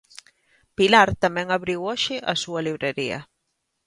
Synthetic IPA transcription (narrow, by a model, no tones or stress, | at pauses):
pilaɾt̪amɛ̃ŋaβɾiwɔʃɪʔasuɐliβɾeɾiɐ̰